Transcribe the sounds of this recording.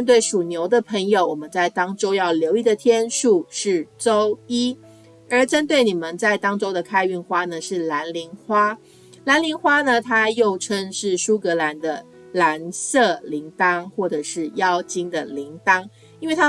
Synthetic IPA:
nt̪we˥˩ɪʂu˨˩njo˧˥ʊd̪ə˨pʰə˧˥ŋjo˨˧ʊwɔ˨˩mə˦nt͡sa˥˩ɪt̪ɑ˥ŋʈ͡ʂo˥ʊjɑ˥˩ʊljo˧˥ʊi˥˩d̪ə˨t̪ʰjɛ˥nʂu˥˧ʂɻ̩˥˩ʈ͡ʂo˥ʊi˥ | ə˞˨˥ʈ͡ʂə˥nt̪we˥˩ɪni˨˩mə˨nt͡sa˥˩ɪt̪ɑ˥ŋʈ͡ʂo˥ʊd̪ə˨kʰa˥ɪy˥˩nxwa˥nə˨ʂɻ̩˥˩la˧˥nli˧˥ŋxwa˥ | la˧˥nli˧˥ŋxwa˥nə˨t̪ʰa˥jo˥˩ʊʈ͡ʂʰə˥ŋʂɻ̩˥˩ʂu˥kɤ˧˥la˧˦nd̪ə˧ | la˧˦nsɤ˥˩li˧˥ŋt̪ɑ˥ŋxwɔ˥˩ʈ͡ʂɤ˨˩ʂɻ̩˥˩jɑ˥ʊt͡ɕi˥ŋd̪ə˨li˧˥ŋt̪ɑ˥ŋ | i˥nwe˥˩ɪt̪ʰa˥

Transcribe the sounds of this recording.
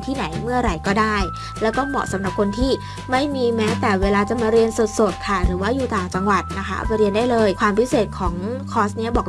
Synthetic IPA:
t̪ʰiː˥˩na˩˦jmɯ˥˩ɐɾa˨˩jkɔː˥˩daː˥˩j | lɛː˦˥wk̪ɔː˥˩mɔ̰˨˩sa˨˦mɾa˨˩p̚kʰo˧nt̪ʰiː˥˩ | ma˥˩jmiː˧mɛː˦˥t̪ɛː˨˩weː˧laː˧t͡ɕa˨˩maː˧ɾi˧ənsu˨˩t̪̚so˨˩t̪̚kʰa˥˩ɾɯː˩˦waː˥˩juː˨˩t̪aː˨˩ŋt͡ɕa˧ŋwa˨˩t̪̚na˦˥kʰa̰˦˥˨pɾi˧əndaː˥˩jlɤː˧jkʰwaː˧mpʰi˦˥seː˨˩t̪̚kʰɔː˩˦ŋkʰɔː˦˥sni˦˥ɐbɔː˨˩

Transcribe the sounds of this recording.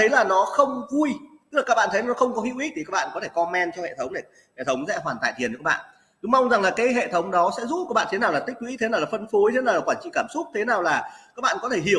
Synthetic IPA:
ə˨˦jlaː˨˩nɔ˨˦xə˧wŋ͡mvu˧jt̪ɨ˥klaː˨˩kːa˦˥ɓa̰˧˨t̪ʰə˨˦laː˨˩nɔ˦xə˧wŋ͡mkɔ˨˦ɦḭ˧˨əwʔi˦˥i˨˩kːa˦˥ɓa̰ː˧˨kɔ˦t̪ʰe˧˩kɔ˧mɛ˧nt͡ɕɔ˧hḛ˧˨t̪ʰə˨˦wŋ͡mɗe˧˩ | hḛ˧˨t̪ʰə˨˦wŋ͡msɛ̰˧˥ɦwaː˨˩t̪a̰ː˧˨t̪ʰi˨˩nː˨˩kːa˦˥˩ɓ̰a̰ː˧˨ | ɗɨ˨˦ma˧wŋ͡mza˨˩ŋlaː˨˩kaː˨˦jɦḛ˧˨t̪ʰə˨˦wŋ͡mɗɔ˨˦sɛ̰˧˥zṵ˧˥kaː˦˥k̚ɓa̰˧˨t̪ʰe˨˦naː˨˩wla˨˩ï̟˦˥wi˧˥t̪ʰe˨˦naː˨˩la˨˩fə˧nfo˨˦jt̪ʰe˨˦nː˨˩waː˨˩kwaː˧˩nt͡ɕḭ˧˨kaː˧˩msʊ˦˥k͡p̚t̪ʰe˨˦naː˨˩wlaː˨˩ka˦˥k̚ɓa̰ː˧˨nkɔ˨˦t̪ʰe˧˩ɦi˧˩ə

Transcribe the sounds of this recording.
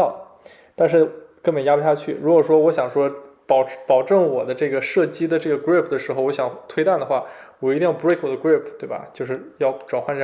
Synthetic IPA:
t̪a˥˧nʂ̬ɻ̩˥˩kɤ˥˩me˨˩ɪja˥pɕja˥˧˩t͡ɕʰy˥˩ɻu˧˥kwɔ˨˩ʂwɔ˥wɔ˧˥ɕjɑ˨˩ŋʂwɔ˥ | pɑ˨˩ʊpɑ˨˩ʊʈ͡ʂɤ˥˩ŋwɔ˨˩d̪ə˦ʈ͡ʂɤ˥˩ɡə˩ʂɤ˥˩t͡ɕi˥d̪ə˨˧ʈ͡ʂɤ˥˩ɡə˩kɹi˥˩pʰd̪ə˩ʂɻ̩˧˥xo˧ʊwɔ˧˥ɕjɑ˨˩ŋt̪ʰwe˥ɪt̪a˥˩nd̪ə˩xwa˥˩wɔ˨˩i˧i˥˧ŋjɑ˥˩pkʰwɔ˨˩ə˥kɹi˥˩pʰt̪we˥˩ɪbɐ̰˩t͡ɕjo˥˧ʊʂɻ̩˥˩jɑ˥˩ʊʈ͡ʂwa˨˩nxa˥˧nʈ͡ʂ

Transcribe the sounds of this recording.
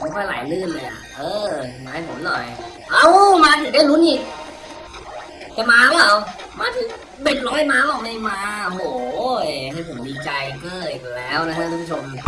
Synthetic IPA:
jkʰɔ˥˩jla̰ː˩˦jlɯː˥˩˨laː˧˩ʔa̰˨˩ʔɤː˧aː˧ha˥˩jpʰo˨˩˦mnɔ˨˩j | ʔa˧˩wmaː˧t̪ʰɯ˨˩˦daː˥˩jlu˦˥nʔiː˨˧˩k̚ | t͡ɕa˨˩maː˧t̪ʰa˦˥ŋla˧˩w | maː˧˥t̪ʰɯ˨˩˦ŋ | be˧˩nlɔː˦˥jmaː˧˥lɔː˨˩k̚na˧jmaː˧ɦoː˨˩˦jɦa˥˩jpʰo˩˦mdiː˧t͡ɕa˧jkɤː˧˩jlɛː˦˥wna˦˥kʰa˧˥t̪ʰu˧˥˩p̚ʰt͡ɕʰo˧m

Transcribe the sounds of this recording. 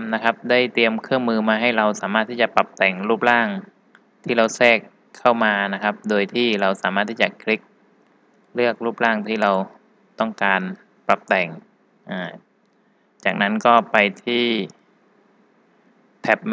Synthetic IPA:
na˦˥kʰa˦˥p̚daː˥˩jt̪i˧əmkʰɯ˥˩əŋmɯː˧maː˧ɦa˥˩jɾa˧wsaː˩˦maː˥˩t̪ʰːiː˥˩t͡ɕa˨˩pa˨˩p̚t̪ɛ˨˩ŋɾuː˥˩p̚laː˥˩ŋ | t̪ʰiː˥˩ɾa˧wsɛː˥˩kʰː | a˥˩wmaː˧na˦˥kʰa˦˥p̚doː˧jt̪ʰiː˥˩ɾa˧wsaː˩˦maː˥˩t̪ʰːi˥˩t͡ɕa˨˩kʰli˦˥k̚ | lɯ˥˩ək̚ɾuː˥˩p̚laː˥˩ŋt̪ʰiː˥˩ɾa˧w | t̪ɔ˥˩ŋkaː˧n | pla˨˩p̚t̪ɛ˨˩ŋ | ʔaː˧˩ | t͡ɕaː˨˩k̚na˦˥nkɔː˥˩pa˧jt̪ʰiː˥˩ | p̪ʰɛ˨˩p̚

